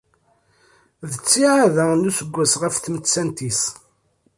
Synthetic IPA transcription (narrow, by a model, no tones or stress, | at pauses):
ðət͡sːiʕaðænusəɡʷːæsʁəfθmət͡sːænt̪is